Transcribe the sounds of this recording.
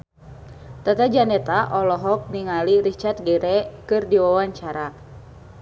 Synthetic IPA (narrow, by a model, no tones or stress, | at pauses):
t̪at̪ad͡ʒanɛt̪aʔɔlɔɦɔk̚niŋaliɾit͡ʃart̪̚ɡɛɾɛkɨrdiwawaɲt͡ʃaɾa